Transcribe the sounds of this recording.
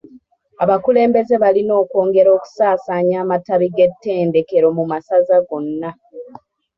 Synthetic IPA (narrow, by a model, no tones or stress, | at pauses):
aβakule̞ːmbe̞ze̞βalino̞ːko̞ːŋɡe̞ɾo̞ːku̥saːsaɲaːmataβiɡe̞tːe̞ːnde̞ke̞ɾo̞mumasazaɡo̞nːa